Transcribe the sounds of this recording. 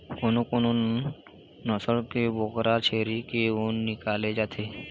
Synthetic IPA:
konokono | nɔsəɽkebokɾat͡ʃʰeːɾikeonːɪkaːled͡ʒaːt̪ʰeː

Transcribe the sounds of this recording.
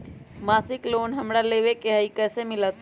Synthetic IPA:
maːsɪkloːnɦəmɽaleːʋekeɦəikɛːsemɪlət̪

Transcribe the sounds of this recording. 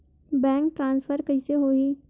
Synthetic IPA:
bɛ̃ːŋk̚ʈɾãːnsfʰəɾkɐɪseɦoi

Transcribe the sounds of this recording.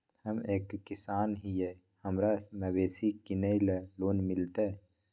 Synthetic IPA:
hɐmeːkːɪsaːnɦije | hɐmɾamɐweːsikineileloːnmɪlt̪e

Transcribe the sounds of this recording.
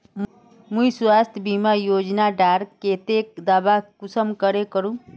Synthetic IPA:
muiswast̪ʰjbimajod͡ʒnaɖaɾket̪ek̚d̪abakusəmkəɾekəɾũ

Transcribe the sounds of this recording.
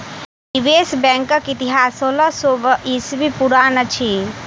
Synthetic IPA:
niʋesbɛ̃ŋkəkit̪iɦasoləsobəʔisbipuɾanət͡ʃʰi

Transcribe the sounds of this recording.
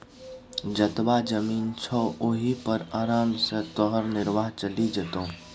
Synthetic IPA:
d͡ʒɐt̪bad͡ʒəmiːnt͡ʃʰɔːoːɦipɐɾaːɾaːmset̪ɔɦəɾnɪɾʋaːɦt͡ʃəlid͡ʒət̪õː

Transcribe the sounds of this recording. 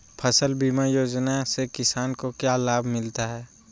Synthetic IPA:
pʰɐsəlbiːmajoːd͡ʒnasekɪsaːnkokjaːlaːbʱmɪlt̪aɦɛː

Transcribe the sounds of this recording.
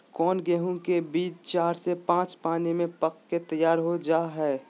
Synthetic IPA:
kɔːnɡɛːɦũkebiːd̪t͡ʃaːɾsepãːt͡ʃpaːnimẽpəkket̪əjaːɾɦod͡ʒaːɦɛː

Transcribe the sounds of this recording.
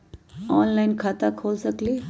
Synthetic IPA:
ɔːnlaɪnkʰaːt̪akʰoːlsəkliː

